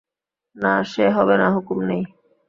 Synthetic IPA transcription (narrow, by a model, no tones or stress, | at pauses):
naʃeɦɔbenaɦukumnej